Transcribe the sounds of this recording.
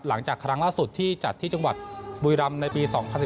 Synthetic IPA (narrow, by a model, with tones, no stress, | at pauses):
la˩˦ŋt͡ɕaː˨˩kʰɾa˦˥ŋlaː˥˩nsu˨˩t̪ʰːiː˥˩t͡ɕa˨˩t̪ʰːiː˥˩t͡ɕa˧ŋwa̰˨˩t̪̚bu˧jɾa˧mna˧jpiː˧sɔː˩˦ŋpʰa˧nsi˨˩